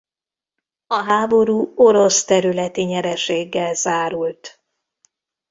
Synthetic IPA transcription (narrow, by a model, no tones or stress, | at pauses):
ɒɦaːbo̞ɾuːo̞ɾo̞st̪ɛɾylɛt̪iɲɛɾɛʃeːɡːɛlzaːɾult̪